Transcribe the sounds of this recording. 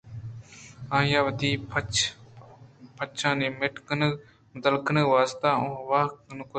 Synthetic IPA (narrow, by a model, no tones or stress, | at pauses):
ãːjãːʋəd̪iːpʰ | pʰət͡ʃʰãːnẽːmeʈkən | mʊt̪əlkənəʋaːst̪aːõʋaːknkʊ